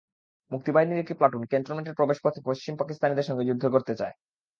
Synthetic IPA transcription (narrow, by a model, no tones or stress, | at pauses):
muk̚t̪ibaɦiniɾek̚ʈiplaʈunkent̪ɾoɾmeɳʈeɾpɾobeʃpot̪ʰːepoʃt͡ɕimpakist̪ʰaned̪eɾʃɔŋɡed͡ʑud̪ʱːokoɾt̪et͡ɕae